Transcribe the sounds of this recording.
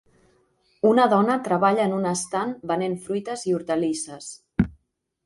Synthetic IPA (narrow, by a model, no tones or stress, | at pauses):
unəðɔnət̪ɾəβaʎəːnunəst̪anbənenfɾujt̪əziuɾt̪əlisəs